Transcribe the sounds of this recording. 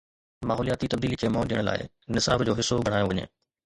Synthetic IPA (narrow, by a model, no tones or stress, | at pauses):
maːɦɔːlijaːt̪it̪ɐb̚d̪iːlikʰemɔːɗijəɽ̃la̰ːɪ̰ | nɪsa̰ːbd͡ʑoːɦɪsobʱɐɽ̤̃aːjoʋɐɲḛː